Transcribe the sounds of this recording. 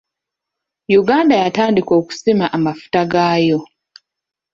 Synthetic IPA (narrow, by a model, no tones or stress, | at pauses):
juɡaːndajataːndiko̞ːku̥simaʔamafu̥taɡaːjo̞